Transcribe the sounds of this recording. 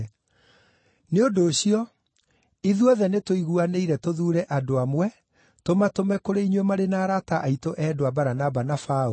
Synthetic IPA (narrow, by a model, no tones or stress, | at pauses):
neondoːɕiɔ | iðuɔðɛnetoiɣuaneiɾɛtoðuːɾɛʔadoamwɛ | tomatomɛkoɾeiɲwɛmaɾenaːɾataʔaitoʔɛdoabaɾanabanafao